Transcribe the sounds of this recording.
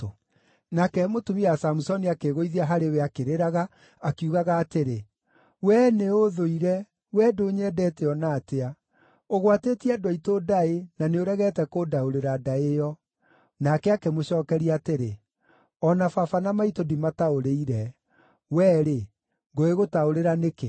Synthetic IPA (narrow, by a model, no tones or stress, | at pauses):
nakɛmotumiasamusɔniakeɣoiðiaɦaɾeweakeɾeɾaɣaː | kuɣaɣaːteɾe | wɛneoðoiɾɛ | wɛdoɲɛdɛteɔnaːtea | oɣwatetiadowaitodaenaneoɾɛɣɛtɛkodaoɾeɾadaejɔ | nakɛakemoɕɔːkɛɾiateɾe | ɔnafafanamaitodimataoɾeiɾɛ | wɛɾe | ŋɡoeɣotaoɾeɾaneke